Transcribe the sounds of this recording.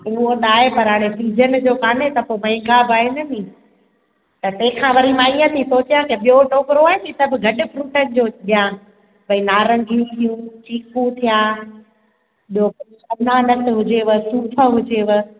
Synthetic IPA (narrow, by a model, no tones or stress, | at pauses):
ʊɦoɗaːɦepɐɾɦaːɽ̃esiːd͡ʑən̆d͡ʑoːkaːnet̪ɐpomɐ̃ɡaːbaːɦenɐnĩː | t̪ɐt̪ɐ̃ɦɪ̃kʰãʋɐɾimãiːə̃t̪ʰisoːt͡ɕijãkeɓijoʈoːkɪɾoaːɦet̪it̪ɐbɪɡʱɐɗɪ̆fɾuːʈənɪ̆d͡ʑoːɗijã | bɐĩnaːɾɐ̃ŋɡʱijũt̪ʰijũt͡ɕiːkũt̪ʰijaː | ɗo | ɐnanɐt̪ʰɪɦʊd͡ʑeʋəsuːpʰə̆ɦʊd͡ʑeʋə